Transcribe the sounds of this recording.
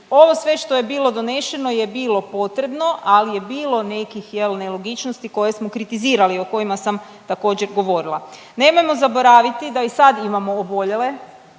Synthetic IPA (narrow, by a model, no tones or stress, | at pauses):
o̞ʋo̞sʋe̞ʃt̪o̞je̞biːlˠo̞d̪o̞ne̞ʃe̞no̞je̞biːlˠo̞po̞t̪ɾe̞bno̞ʔalije̞biːlˠo̞ne̞kixjelnelˠoɡit͡ʃnost̪iko̞je̞smo̞kɾit̪iziːɾalio̞ko̞imasam | t̪ako̞ːd͡ʑe̞ɾɡo̞ʋo̞ɾilˠa | ne̞mo̞jmo̞zabo̞ɾaːʋit̪id̪aisad̪imamo̞ːbo̞ʎe̞le